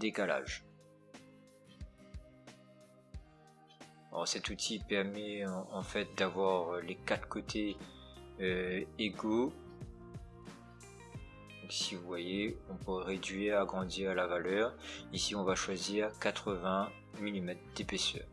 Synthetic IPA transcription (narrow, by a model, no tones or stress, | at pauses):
d̪ekala̰ʒ | ɔ̰ʁsɛt̪ut̪ʰipɛʁmɛɑ̃fɛt̪̚d̪avwaʁlekat̪χkot̪ʰe | øeɡo | dd̪ɔ̃ksivuvwajeɔ̃puɛʁed̪ɥiʁaɡʁɑ̃d̪iʁalavalœʁisiɔ̃vaʃwaziːʁkat̪χəvɛ̃ | milimɛt̪χd̪̥epesœ̰ʁ